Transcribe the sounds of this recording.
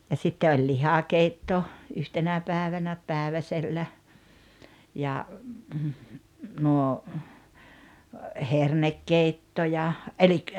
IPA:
jɑ sitːe olʲ lihɑkeitːo yhtenæ pæˑeʋænæ pæˑeʋæselːæ jɑ nuo hernekːeitːo jɑ elik

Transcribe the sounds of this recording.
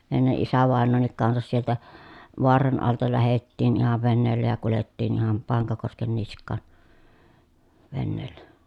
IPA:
enːe ʔisæʋɑˑenːoːnːik kɑnsɑs sieltæ ʋoɑrɑn ɑltɑ læhetːiːn ihɑʋ ʋeneːlːæ jɑ kuletːiːn ihɑm pɑŋkɑkosken niskˑɑˑn ʋenːeːlːæ

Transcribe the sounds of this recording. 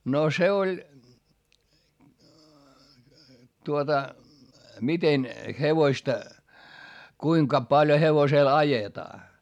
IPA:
no se olʲ tuotɑ miten heʋoĭstɑ kuiŋkɑ pɑlj̆ŏ heʋoseˑl ɑjetɑː

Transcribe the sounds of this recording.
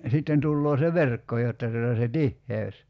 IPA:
sitːen tulːoː se ʋerkːo jotːɑ tuotɑ se tihːeøs

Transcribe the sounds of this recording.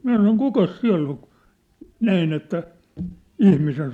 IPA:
minæ sɑnon kukɑs siæ̝lː oŋ ku̥ næin etːæ ihmisen

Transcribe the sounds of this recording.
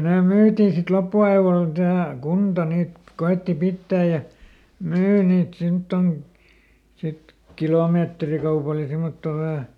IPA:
neˑ myːtiˑ sit lopːuɑiʋol tæhæ kuntɑ niːt koetːi pitːæː jɑ myː niːt simtːon sit kiloˑmeːtrikɑupɑl jɑ simːotːoˑ ʋæhæ

